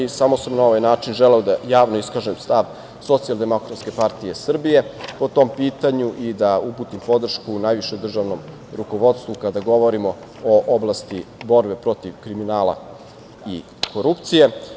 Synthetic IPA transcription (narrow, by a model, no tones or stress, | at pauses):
isamosamnao̞ʋajnaːt͡ʃinʒeleod̪ajaːʋnoiskaʒemst̪aʋ | so̞t̪sijalˠd̪e̞mo̞kɾat̪skʲe̞paɾt̪ije̞sr̩bije̞po̞t̪o̞mpiːt̪aɲuʔid̪aupuːt̪impo̞d̪r̩ʃkunajʋiʃeud̪r̩ʒaʋno̞m | ɾuko̞ʋo̞t̪st̪vukad̪aɡo̞ʋo̞ɾimo̞ | oʔoblˠast̪ibo̞ɾbe̞pɾo̞t̪iʋkɾiminaːlˠa̰ | i | ko̞ɾupt̪sije̞